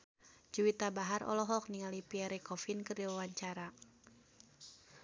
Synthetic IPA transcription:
d͡ʒuwit̪abaɦarɔ̰lɔɦɔk̚niŋalipiaɾekɔfinkɨrdiwawaɲt͡ʃaɾa

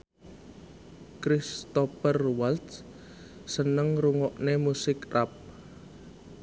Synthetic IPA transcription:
kɾist̪ɔpərwalt̪s | sənəŋruŋɔʔnemusɪkrap̚

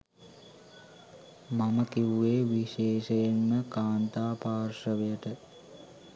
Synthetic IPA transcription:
maməkiʋueːʋiʃeːʃəjenməkaːnt̪aːpaːrʃəʋejəʈə

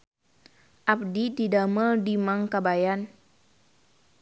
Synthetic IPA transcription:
ʔap̚dididaməldimaŋkabajan

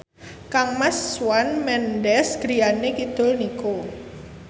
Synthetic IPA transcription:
kaŋmasːwanmɛndɛsɡ̥ɾianekit̪ʊlniko

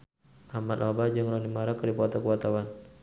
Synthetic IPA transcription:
ʔamat̪ʔabad͡ʒɨŋɾɔnimaɾakadipɔt̪ɔkuwat̪awan

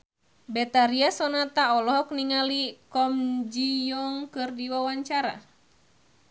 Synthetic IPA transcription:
bɛt̪aɾiasɔnat̪aɔlɔɦɔk̚niŋalikɔmd͡ʒijɔŋkɨrdiwawaɲt͡ʃaɾa̰

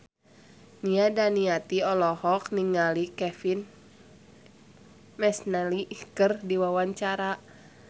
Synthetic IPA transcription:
niadaniat̪iɔlɔhɔk̚niŋalikɛfin | mɛsnalikərdiwawaɲt͡ʃaɾa

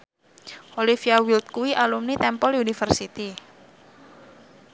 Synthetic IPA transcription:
ʔolifiawilt̪̚kuwiʔalumnit̪ɛmpɔlunifərsit̪i

